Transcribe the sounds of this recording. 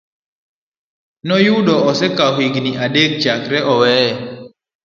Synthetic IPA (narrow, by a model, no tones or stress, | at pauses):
nɔjuɗɔɔsɛkaɦwiɡniʔaɗek̚d͡ʒakɾɛʔɔwɛɛ